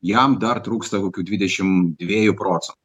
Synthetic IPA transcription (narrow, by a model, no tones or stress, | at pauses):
jamd̪ɑrt̪ɾukst̪ɐkokʲud̪ʲʋʲid̪ʲɛt͡ʃʲɪmd̪ʲʋʲejʊpɾɔt̪sɛnt̪